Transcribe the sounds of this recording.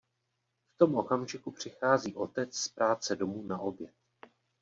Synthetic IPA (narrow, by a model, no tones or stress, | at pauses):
ft̪o̞mʔo̞kamʒɪkupr̝̥ɪxaːziːʔo̞t̪ɛt͡sspɾaːt͡sɛdo̞muːnaʔo̞bjɛt̪̚